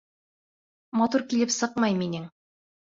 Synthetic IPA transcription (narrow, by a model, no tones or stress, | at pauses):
mɑt̪uɾkilɘpsɤqmɑjminɘŋ